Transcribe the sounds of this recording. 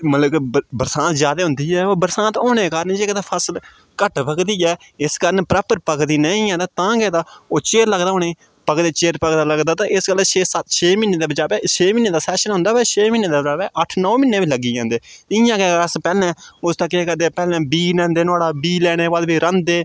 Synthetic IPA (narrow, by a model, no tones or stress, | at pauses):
mələɡbəɾsãːnt̪zjaːd̪eːɦʊ̃nd̪iːɛːoːbəɾsãːnt̪oːñeːkaːɾənd͡ʒeːkːd̪aːpʰəsəl | kəʈpəkd̪iːɛː | ɪskəɾənpɾaːpəɾpəkd̪iːnəːĩãːd̪aːt̪ãːɡɛːd̪aːoːt͡ʃeːɾləɡd̪aːɦoːneː | pəkd̪eːt͡ʃeːɾpəkd̪aːləɡd̪aːt̪ãːɪskəlʃeːsət̪ʃʰeːmɪːnːeːd̪aːbəd͡ʒaːbɛːʃʰeːmɪːnːeːd̪aːsɛːʃənɦʊ̃nd̪aːʋɛːt͡ʃʰeːmiːnːeːd̪aːbəd͡ʒaːbɛːʔəʈʰnɔːmɪnːẽːʋiːləɡiːãːnd̪eːɪjãːkɛːəspɛːlɛ̃ːʊst̪ãːkɪːkəɾd̪eːpɛːlɛ̃ːbiːnɛ̃ːnd̪eːnʊaːɽaːbiːlɛːɽ̃eːʋalbiːɾə̃nd̪eː